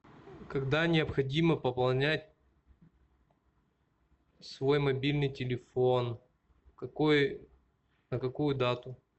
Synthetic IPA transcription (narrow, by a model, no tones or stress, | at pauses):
kɐɡd̪anʲɪɐpxɐdʲiməpəpɐlˠnʲætʲ | svo̞jmɐbʲilʲnɨjtʲɪlʲɪfo̞n | kɐkoj | nəkɐkujʊd̪at̪ʊ